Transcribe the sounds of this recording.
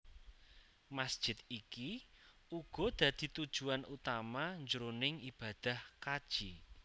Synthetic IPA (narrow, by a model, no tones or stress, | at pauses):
masd̥ʒ̥ɪt̪̚ikiʔuɡ̥ɔ̤d̪̥ä̤d̪̥i̤t̪ud̥ʒ̥ṳanut̪amaɲd͡ʒəɾonɪŋib̥a̤d̪̥a̤hkad̥ʒ̥i